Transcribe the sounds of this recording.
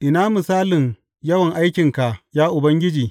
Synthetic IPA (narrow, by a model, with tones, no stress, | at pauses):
ʔɪ˨naː˦mɪ˨saː˦lɪ˨ŋ | jɐ˦wɐ˨ŋʔa˦jkʲɪ˨ŋka˨ʔjaː˦ʔʊ˨bɐ˦ŋɡʲɪ˦d͡ʒiː˨